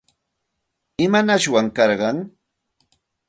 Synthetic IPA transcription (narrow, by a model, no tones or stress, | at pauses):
ɪmanaʃwaŋkɑɾɢɑŋ